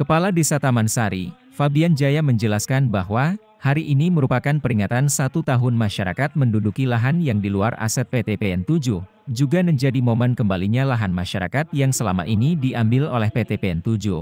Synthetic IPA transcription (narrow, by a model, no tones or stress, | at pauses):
kəpaladesat̪amansaɾi | fabiand͡ʒajaməɲd͡ʒəlaskanbaɦwa | haɾiʔiniməɾupakanpəɾiŋat̪ansat̪ut̪aɦʊnmaʃaɾa̰kat̪̚məndudukilaɦanjaŋdilua̰ra̰sɛt̪̚pet̪epeɛnt̪ud͡ʒuh | d͡ʒuɡaməɲd͡ʒadimomɛnkəmbaliɲalaɦanmaʃaɾa̰kat̪̚jaŋsəla̰ma̰ʔinidiambɪlolɛhpet̪epeɛnt̪ud͡ʒuh